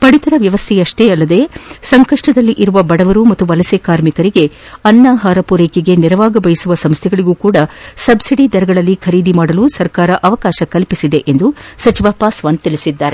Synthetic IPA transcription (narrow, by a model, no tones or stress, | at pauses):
pɐɽit̪ɐɾɐʋjɐʋɐst̪ʰɛjɐʂʈeːɐlːɐd̪e̞sɐŋkɐʂʈɐd̪ɐlːiʔiɾuʋɐbɐɽɐʋɐɾumɐt̪ːuʋɐlɐsekaːɾmikɐɾiɡe̞ɐnːaːɦaːɾɐpuɾeːkiɡe̞niɾɐʋaːɡɐbɐjisuʋɐsɐmst̪ʰɛɡɐɭiɡuːkuːɽɐsɐbsiɽid̪ɐɾɐɡɐɭɐlːikʰɐɾiːd̪imaːɽɐluːsɐɾkaːɾɐʔɐʋɐkaːʃɐkɐlpisid̪e̞ʔend̪usɐt͡ʃiʋaːpaːsʋaːnt̪iɭisid̪ːaːɾe